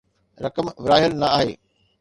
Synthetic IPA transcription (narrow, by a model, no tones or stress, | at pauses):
ɾɐkəmʋɾaːɦɪlnɐaːɦḛː